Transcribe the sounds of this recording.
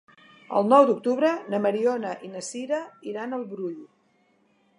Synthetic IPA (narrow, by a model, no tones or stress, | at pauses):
ə̰lˠnɔwd̪uk̚t̪uβɾənəməɾiɔnəʔinəsiɾəiɾanəlˠβɾuʎ